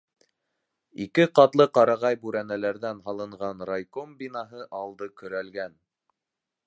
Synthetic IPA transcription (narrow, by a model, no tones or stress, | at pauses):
ikɘqɑt̪lˠɤqɑɾɑʁɑjbʉɾænælæɾðænɦɑlˠɤ̆ɴʁɑnɾajkombinɑɦɤʔɑlˠd̪ɤkɵ̆ɾælɡæn